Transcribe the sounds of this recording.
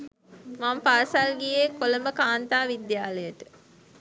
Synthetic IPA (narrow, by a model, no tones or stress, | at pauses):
mampaɾsalɡijekoləməkaːnt̪aːʋid̪jaːləjəʈə